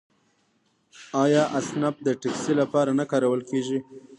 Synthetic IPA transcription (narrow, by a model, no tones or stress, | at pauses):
ɑjɑʔasnab̚d̪əʈɪksilapɑɾanakɑɾawəlkeʒi